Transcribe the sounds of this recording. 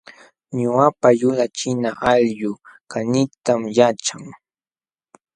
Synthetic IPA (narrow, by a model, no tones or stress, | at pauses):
ɲʊapajʊlat͡ʃɪnaʔaʎjʊkanɪt̪amjat͡ʃaŋ